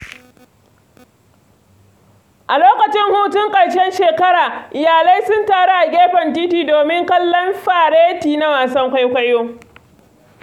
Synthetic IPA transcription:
ʔa˨loː˦kɐ˨t͡ʃɪ˦ŋhuː˦tɪ˦ŋkʼɐ˨jʃɛ˦nʃeː˨kɐ˦ɽaː˨ʔɪ˨jaː˨la˦jsʊ˦ntaː˨ɽa˦ʔa˨ɡʲeː˦ɸɐ˨nt̬iː˦tiː˨doː˨mɪ˦ŋkɐ˦lːɔ˦nɸaː˨ɽeː˦tiː˨na˦waː˨sɐ˦ŋkʷa˦jkʷa˦joː˦

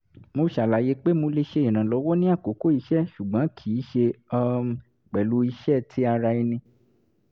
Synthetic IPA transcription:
mo˧ʃa˨la˨je˧˦k͡pe˦mõ˧le˧ʃe˧ĩ˨ɾ̃ã˨lɔ˨˧˦wɔ˦nĩ˦a˦˨ko˨˦ko˦i˧ʃɛ˦˨ʃu˨ɡ͡bã˨˦kʰi˨˦ʃe˧ɔ˧ | k͡pɛ˨lu˨˦i˧ʃɛ˦˨tʰi˦a˧ɾa˧i˧nĩ˧

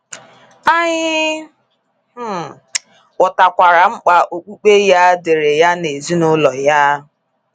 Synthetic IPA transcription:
a˦ɲɪ˦˨ | ɔ˨ta˨kʷa˨ɾa˨ŋ͡m̩˦k͡pa˨ʔo˨k͡pu˦k͡pe˦ja˦de˨ɾe˨ja˦ne˨zi˦nʊ˦lɔ˨ja˦

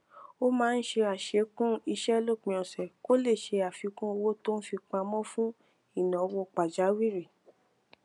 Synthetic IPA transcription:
o˦mãː˦n̩˦ʃe˧a˨ʃe˨˧˦kũ˦i˧ʃɛ˦lo˦˨k͡pĩ˧ɔ̃˨sɛ˨ko˦le˦˨ʃe˧a˨fi˨˧kũ˦o˧wo˦to˦n̩˦fi˧k͡pa˧mɔ̃˦fũ˦ | i˦˨nã˨˧wo˧k͡pa˨d͡ʒa˨˦wi˦ɾe˨

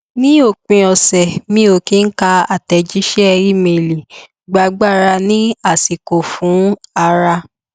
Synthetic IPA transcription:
nĩ˦o˦˨k͡pĩ˧ɔ˨sɛ˨mĩ˦o˧˨kĩ˦n̩˦ka˧a˦˨tɛ˧d͡ʒi˦ʃɛ˦ɛ˧ɾi˦˨me˨li˨ | ɡ͡ba˧˦ɡ͡ba˦˨ɾa˧nĩ˦a˦˨si˨ko˨fũ˨˦a˧ɾa˧

